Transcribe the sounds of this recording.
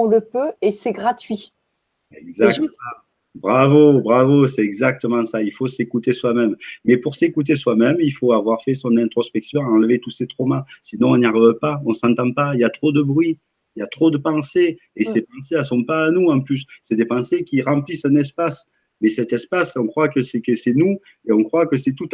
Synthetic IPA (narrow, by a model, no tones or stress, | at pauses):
ɔ̃ləpøesɛɡʁat̪ɥi | ɛɡzak̚t̪əɑ̃ | bʁavobʁavosɛɛɡzak̚t̪əmɑ̃sailfosekut̪eswamɛmːɛpuʁsekut̪̬eswamɛmilfoavwaʁfɛsɔ̃nɛ̃t̪χɔspɛksjɔ̃ɑ̃ləvet̪uset̪χɔmasinɔ̃ɔ̃niaʁivpaɔ̃sɑ̃t̪ɑ̃pailjat̪χod̪əbʁɥi | iljat̪χod̪əpɑ̃se | esepɑ̃seasɔ̃paːnuɑ̃plysːɛd̪epɑ̃sekʲiʁɑ̃plisɛ̃nɛs̬pas | mɛsɛt̪ɛspasɔ̃kχwakəsɛkəsɛnu | eɔ̃kχwakəsɛt̪ut̪